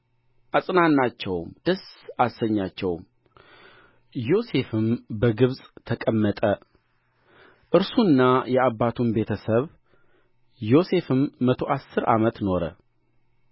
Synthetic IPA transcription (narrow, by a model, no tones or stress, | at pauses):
ʔasʼnanːat͡ʃːɛwmd̪̥əsasəɲːat͡ʃːɛwm | jo̞se̞fɨmbəɡɨβsʼt̪ʰəkʼəmːət̪ʼə | ʔɨɾsuɨnːajɛaβːat̪ʰunbe̞t̪ʰəsəβ | jo̞se̞fɨmːət̪ʰo̞ʔasːɨɾa̰mət̪no̞ɾə̰